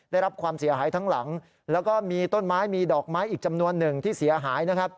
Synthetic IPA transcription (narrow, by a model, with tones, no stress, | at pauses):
da˥˩jɾa˦˥p̚kʰwaː˧msi˨˩˦ɐɦaː˩˦jt̪ʰaː˦˥ŋla˩˦ŋ | lɛː˦˥wkɔː˥˩miː˧t̪o˥˩nmaː˦˥jmiː˧dɔː˨˩k̚maː˦˥jʔiː˨˩k̚t͡ɕa˧mnu˧ənːɯ˨˩ŋt̪ʰiː˥˩si˩˦ɐɦaː˩˦jna˦˥kʰa˦˥p̚